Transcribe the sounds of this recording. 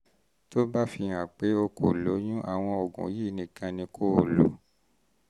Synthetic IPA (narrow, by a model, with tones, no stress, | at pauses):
to˦ba˦fĩ˧ã˨k͡pe˨˦o˧ko̰˨lo˨˦j̃ũ˦ʔa˨w̃ɔ̃˧ɔ˨ɡṵ̃˨˦ji˦˨nĩ˨kã˧nĩ˧kʰo˦o˨lo̰˨˦